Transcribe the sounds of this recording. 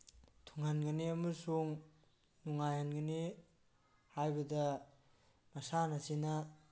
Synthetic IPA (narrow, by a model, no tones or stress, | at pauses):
tʰuŋhanɡɐniɐmɐsuŋ | nuŋajhanɡɐni | hajbɐdɐ | mɐsanɐsina